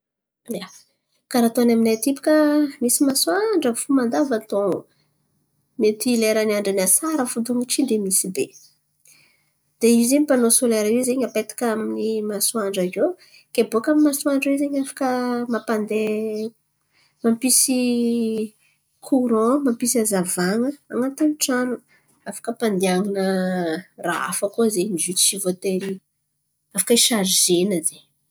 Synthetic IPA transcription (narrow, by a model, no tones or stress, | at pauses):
a | kaɾat̪oanaminat̪ipu̥kəmisimaswaɳɖ͡ʐəfumand̪avat̪õ | met̪ileɾaniaɳɖ͡ʐanasaɾəfud̪uŋut͡ʃind̪emisibe | d̪̥eiziɲipanosoleɾaizeɲapet̪ḁkaminimasuwaɳɖ͡ʐazo | keboakamimaswaɳɖ͡ʐwezeɲafḁkəmapand̪e | mampisi | kʰuɾɔ̃mampisiazavaŋəaŋat̪aniʈ͡ʂanu | afḁkəpand̪eaŋinə | ra̰a̰fəkozeniʒyt͡s̪i̥ʃivot̪eɾi | afḁkəiʃaɾzenəze